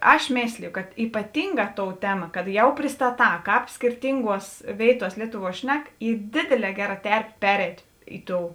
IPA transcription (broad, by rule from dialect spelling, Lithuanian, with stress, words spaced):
ˈɐʃ ˈmʲeːsʲlʲɪjoː kɐt iːpɐˈtʲɪŋˌɡɑː ˈtoːʊ ˈtʲæːmɐ kɐt ˈjɛʊ pʲrʲɪstɐˈtɑː ˈkɑːp sʲkʲɪrʲˈtʲɪŋˌɡuɔs ˈʋʲeːɪtuɔs ˈlʲiɛtʊˌʋuɔ ˈʃʲnʲɛk ˈiː ˈdʲeːdʲeːˌlʲɛː ˈɡʲæːˌrɐ ˈtʲɛrʲpʲeː ˈpʲæːrʲɛɪtʲ ˈɪ ˌtoːʊ